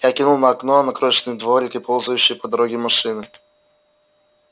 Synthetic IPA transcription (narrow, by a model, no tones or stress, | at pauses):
jakʲinulˠnəɐɐknoɐnɐkɾoɕnɨjd̪voɾʲɪkɨpolˠzʊjʉɕːɪjpəd̪ɐɾoɡʲɪmɐʂɨnɨ